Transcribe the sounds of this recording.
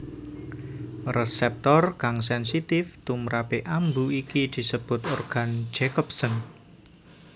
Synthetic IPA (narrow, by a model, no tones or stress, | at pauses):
rəsɛp̚t̪ɔrkaŋs̬ɛnsit̪ɪft̪umɾapeʔambuikid̪̥i̤səb̥ʊ̤t̪ɔrɡ̥a̤n̥d͡ʒ̥ekɔp̚sən